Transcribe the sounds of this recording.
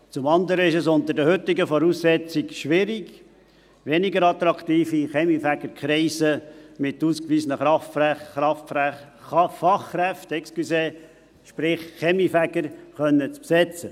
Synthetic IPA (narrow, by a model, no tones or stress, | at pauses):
t͡sʊmɑnd̪əɾəɪʃɛsʊnt̪əɾdəhʏt̪ːɪɡəfɔɾuːsːɛt͡sɪɡʃʋɪɾiɡ | ʋɛnɪɡəɾɑt̪ɾɑkʰt̪iːfiχɛmifæɡəɾkʰχɾɛɪsəmɪt̪uːskʋiːzənəɑɑf | fɑχːɾɛftɛkskyseː | ʃpɾɪχːɛmifæɡəɾχœnːət͡spsɛt͡sə